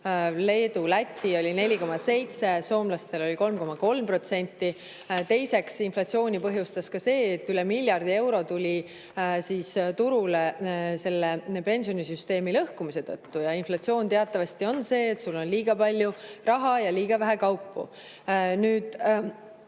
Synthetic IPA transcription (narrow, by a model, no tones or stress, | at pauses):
le̞ːd̪ulæt̪ʲːio̞lʲine̞lʲiko̞mɑse̞jt̪se̞so̞ːmlɑst̪e̞lo̞lʲiko̞lmko̞mɑko̞lmpro̞t̪se̞nʲt̪ːi | t̪e̞jse̞ksinflɑt̪sio̞ːnʲipɤɦjust̪ɑskɑse̞ːt̪ːyle̞milʲjɑrd̪̥ie̞wɾo̞t̪ulʲi | siːst̪uɾule̞se̞lːepe̞nsio̞nisyst̪e̞ːmilɤhkumise̞t̪ɤ̰t̪ːujɑinflɑt̪sio̞ːnt̪e̞ɑt̪ːˑɑvɑst̪io̞nse̞ːt̪sulːo̞nliːɡ̥ɑpɑlʲjurɑɦɑjɑliːɡ̥ɑvæɦekɑwpːṵ | nyːd̪̥